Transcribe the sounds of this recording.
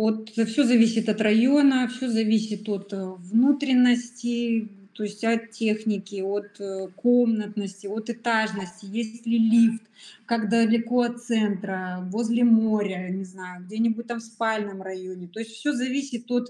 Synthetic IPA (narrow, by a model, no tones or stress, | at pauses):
o̞t̪fsʲozɐvʲisʲɪt̪ɐt̪rɐjo̞nəfsʲozɐvʲisʲɪt̪o̞t̪vnut̪ɾʲɪnːəsʲtʲɪt̪o̞ɪsʲtʲɐt̪tʲexnʲɪkʲɪo̞t̪ko̞mnət̪nəsʲtʲɪo̞t̪ɨt̪aʐnəsʲtʲɪjesʲtʲlʲɪlʲift̪kakd̪əlʲɪko̞ɐt̪sɛnt̪ɾəvozʲlʲɪmo̞ɾʲənʲɪznajʊɡ̚dʲenʲɪbʊt̚ʲt̪amfspalʲnɨmrɐjonʲɪt̪o̞ɪsʲtʲfsʲozɐvʲisʲɪt̪o̞t̪